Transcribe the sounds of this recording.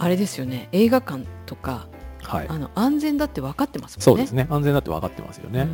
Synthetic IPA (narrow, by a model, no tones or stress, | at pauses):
aɾe̞d̪e̞sɨjo̞ne̞eːɡakãnt̪o̞ka | haḭano̞ʔãnzẽ̞nd̪at̪ːe̞β̞akat̪ːe̞masɨ̥mso̞ːd̪esɨne̞ãñzẽ̞nd̪at̪ːea̰kat̪ːe̞̰ma̰sɨjo̞̰ne